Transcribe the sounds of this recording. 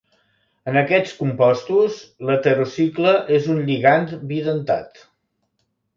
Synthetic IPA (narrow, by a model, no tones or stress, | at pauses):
ənəkɛt͡skumpɔst̪uslət̪əɾosikləʔezunʎiɣant̪biðənt̪a̰t̪